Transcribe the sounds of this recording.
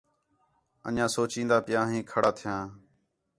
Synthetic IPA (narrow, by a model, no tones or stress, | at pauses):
ə̰nãːsoːt͡ʃĩːnd̪aːpɪjãːɦĩːkʰəɽaːt̪ʰɪjãː